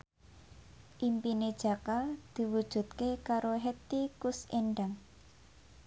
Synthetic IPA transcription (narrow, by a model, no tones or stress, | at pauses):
ʔimpined̥ʒ̥a̤kad̪̥i̤wud̥ʒ̥ṳt̪̚kekaɾoɦet̪ikuseɳɖaŋ